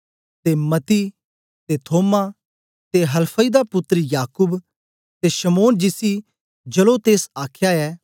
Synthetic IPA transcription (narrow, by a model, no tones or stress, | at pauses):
t̪emɐt̪i | t̪et̪ʰoːma | t̪eɦɐlpʰəid̪apʊt̪ɾəjaːkʊb | t̪eʃɐmoːnd͡ʒɪsi | d͡ʒɐlot̪eːsaːkʰjaɛː